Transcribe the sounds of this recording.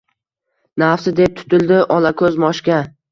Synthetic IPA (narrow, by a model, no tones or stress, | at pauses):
nafsɪd̪e̞p̚t̪ʰʊ̥t̪ɪld̪ɪʔɒlakʰɵzmɒʃkʲa